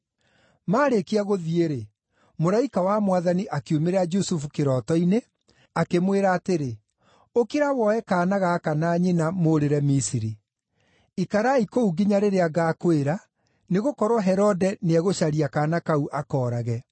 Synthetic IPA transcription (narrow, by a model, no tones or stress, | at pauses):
maːɾekeaɣoðieɾe | moɾaikawamwaðaniʔakeumeɾad͡ʒusufukeɾɔtɔine | akemweɾaːteɾe | okiɾawɔɛkaːnaɣakanaːɲenamoɾeɾɛmisiɾi | ikaɾaikouɡiɲaɾeɾeaɡaːkoeɾa | neɣokɔɾwɔɦɛɾɔdɛneaɣoɕaɾiakaːnakauʔakɔːɾaɣɛ